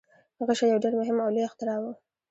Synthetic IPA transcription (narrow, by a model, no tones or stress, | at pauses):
haɣaʃajawɖeɾmʊɦɪmawlujaxt̪ɪɾɑwu